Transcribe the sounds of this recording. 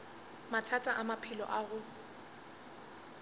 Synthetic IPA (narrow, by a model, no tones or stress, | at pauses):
matʰatʼaʔamapʰɪlɔ̰ʔaɣʊ